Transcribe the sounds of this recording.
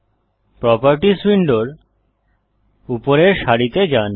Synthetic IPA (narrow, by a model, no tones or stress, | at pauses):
pɾɔpaɾʈiswiɳɖoɾ | upoɾeɾʃaɽit̪ed͡ʑan